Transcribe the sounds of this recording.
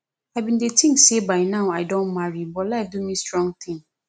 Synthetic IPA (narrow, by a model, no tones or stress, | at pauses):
aɪbĩndetʰĩŋksebaɪnãʊaɪdõnmaɹibɔlaɪfdumistɹɔ̃ŋɡt̪ʰɪ̃ŋ